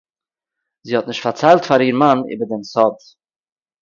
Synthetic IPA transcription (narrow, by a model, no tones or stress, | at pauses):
ziːhɔtnɪʃtfaɾt͡saɪlˠtfaɾiːɾmanḭːbəɾdɛnsɔd